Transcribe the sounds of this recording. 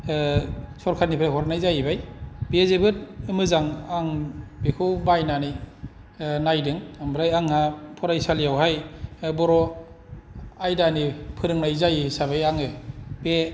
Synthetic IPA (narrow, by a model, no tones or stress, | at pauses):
sʰɔɾkʰatnipʰɾaɦɔɾanajzajibajbezebɯt̚ɯmɯzaŋaŋbekʰɯwbajnani | najdɯŋambɾajaŋhapʰɔɾajsalijawɦajbɔɾɔ | ajdanipʰɯɾɯŋnajzajisabajaŋɯbe